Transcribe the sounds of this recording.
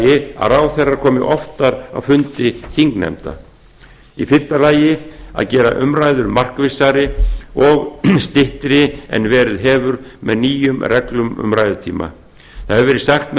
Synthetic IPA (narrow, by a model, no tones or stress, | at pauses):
jɪa̰ɾaːwθɛrːaɾ̥kʰɔːmɪʔɔft̪aɾa̰wfʏnt̪ɪt̪ʰiŋknɛ̰mt̪a̰ | ifɪn̥t̪alaːjɪa̰ðcɛːɾa̰ʔʏmɾaːjðʏɾmar̥kvɪsaɾɪɔɣst̪ɪht̪ɾɪɛ̰nvɛːɾɪðɦɛːvʏɾmɛ̰ðniːjʏmrɛklʏmʏ̰mɾaːjðʏt̪ʰḭːma̰ | θaðhɛvʏvɛːɾɪsaxt̪mɛ